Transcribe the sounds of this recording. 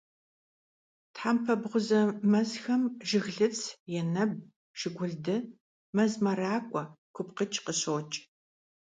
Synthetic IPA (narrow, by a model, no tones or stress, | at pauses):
tħampʰɐbʁʷʊzɐmɐzxɐmʒɪɣɮɨt͡sʰjɛnɐb̚ | ʒ̥ɪɡʷʊɮdɨ | mɐzmɐɾaːkʷʼɔkʷʰʊpqət͡ʃʼqəɕoːt͡ʃʼ